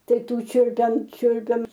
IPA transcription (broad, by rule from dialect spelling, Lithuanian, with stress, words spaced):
ˈtɐɪ ˈtuː ˈt͡ʃʲʊlʲpʲɛm ˈt͡ʃʲʊlʲpʲɛm